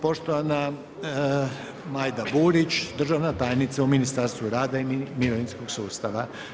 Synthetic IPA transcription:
po̞ʃt̪oʋana | maːjd̪abuːɾit͡ʃd̪r̩ʒaʋnat̪aːjnit̪sauminist̪aɾst̪ʋuɾaːd̪aimiɾoʋinsko̞ɡsuːst̪aʋa

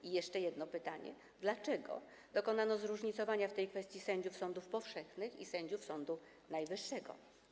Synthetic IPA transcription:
ijɛʂt͡ʂɛjɛd̪nɔpɘt̪aɲɛ̰ | d̪lat͡ʂɛɡɔ̰ | d̪ɔkɔnanɔzɾuʐɲit̪sɔvaɲaft̪ɛjkfɛst̪ʲjisɛɲd͡ʑufsɔnd̪ufpɔfʂɛxnɘxḭsɛɲd͡ʑufsɔnd̪u | najvɘʂːɛɡɔ̰

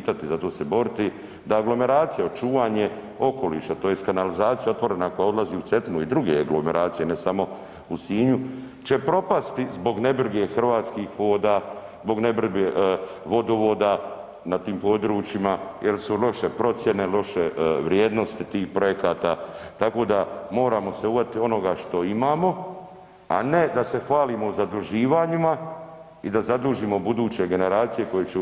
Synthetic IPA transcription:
t̪at̪izat̪oːse̞bo̞ɾit̪i | d̪aaɡlo̞me̞ɾaːt̪sijaot͡ʃuːʋaːɲe̞ | o̞ko̞lḭːʃat̪oːjeskanalizaːt̪sijao̞t̪ʋo̞ɾe̞nako̞jaod̪laziːut̪se̞t̪nuid̪ɾuɡeaɡlo̞me̞ɾʔaːt̪sijenesamo̞ | usiːɲu | t͡ʃe̞pɾo̞past̪izbo̞ɡne̞br̩ɡe̞xr̩ʋaːt̪skiːxʋo̞ːd̪aː | zbo̞ɡnebr̩ɡeʋo̞d̪oʋo̞ːd̪a | nat̪iːmpo̞d̪ɾuːt͡ʃimajelsulo̞ʃe̞pɾo̞t̪sje̞ne̞lo̞ʃeʋɾjeːd̪no̞st̪it̪iːxpɾo̞jekaːt̪a̰ːt̪ako̞ːd̪amo̞ːɾaːmo̞se̞uvat̪io̞no̞ɡaʃt̪o̞imaːmo̞ | a̰ne̞d̪ase̞xʋaːlimo̞uzad̪ɾuʒiːʋaːɲima | id̪azad̪uːʒiːmo̞bud̪uːt͡ɕe̞ɡe̞ne̞ɾaːt̪sije̞ko̞jet͡ɕe

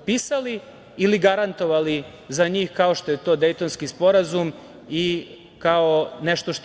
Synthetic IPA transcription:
piːsaliː | liɡaɾant̪o̞ʋali | zaɲiːxkao̞ʃt̪ojet̪o̞ːd̪e̞jt̪onskispo̞ɾazum | i | kaoneʃt̪o̞ʃt̪

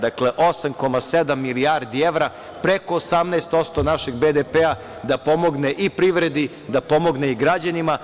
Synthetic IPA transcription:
d̪akleʔo̞samko̞mased̪amːiliaɾd̪ieʋɾa | pɾeko̞ːsamnɛest̪o̞t̪st̪onaʃeɡbed̪epea | d̪apo̞mo̞ɡneʔipɾiʋɾe̞d̪i | d̪apo̞mo̞ɡneiɡɾad͡ʑanima

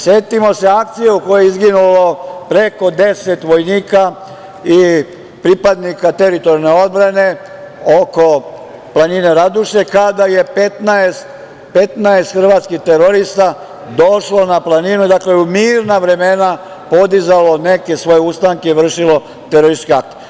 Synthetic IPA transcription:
sje̞t̪imo̞se̞ak̚t̪sijeuko̞jeizɡinulo̞pɾe̞ko̞d̪e̞se̞t̪ʋo̞jniːka | i | pɾipad̪nikat̪e̞ɾit̪o̞ɾjne̞o̞d̪̚bɾane̞ | oko̞ | plˠanine̞ɾad̪uʃe̞kad̪aje̞pet̪naest̪ | pe̞t̪naest̪xrʋaːt̪skiht̪eɾoɾist̪a | d̪o̞ʃlo̞naplˠaninud̪akleumiːɾnaʋɾe̞me̞na | po̞d̪izalo̞ne̞ke̞sʋo̞jeust̪aŋkeiʋr̩ʃilo̞ | t̪eɾoɾiskeak̚t̪ije

